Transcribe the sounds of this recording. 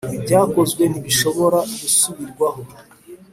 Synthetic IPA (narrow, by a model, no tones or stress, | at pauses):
bɟaːko̞zɡwe̞niβiʃo̞βo̞ɾaɡusuβiɾɡwaɦo